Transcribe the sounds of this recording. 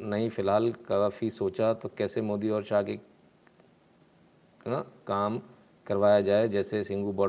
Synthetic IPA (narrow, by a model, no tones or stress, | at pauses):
nɐɦĩfɪlɦaːlkɐʋafisoːt͡ʃat̪okɛːsemoːd̪iɔːɾʃaːke | kãkaːm | kɐɾʋaːjad͡ʒaːed͡ʒɛːsesɪ̃ŋɡubɔ